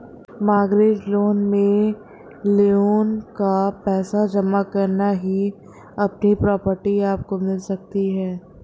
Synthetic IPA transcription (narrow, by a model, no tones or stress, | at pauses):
maːɡɾeːd͡ʒloːnmẽ | leoːnkapɛːsad͡ʒɐmakɐɾnaɦi | ɐpnipɾɔːpəɾʈiaːp̚komɪlsɐk̚t̪iɦɛː